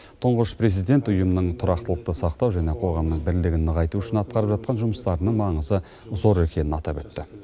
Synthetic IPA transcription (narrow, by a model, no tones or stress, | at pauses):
t̪ʰʊɴʁəʃpʰɾe̞zijd̪e̞nt̪ʊjəmənəɴt̪ʰʊɾɑqt̪əlˠəqt̪əsɑqt̪ɑwʒæne̞qʰo̞ʁɑmnəɴbɪɾlɪɡʲɪnːəʁɑjt̪uʏʃɪnɑt̪̚qɑɾəpʒɑt̪̚qʰɑnʒʊməst̪ɑɾənəɴmɑɴəzə | zo̞ɾe̞kʲʰe̞nɪnɑt̪ɑpɵt̪ːɪ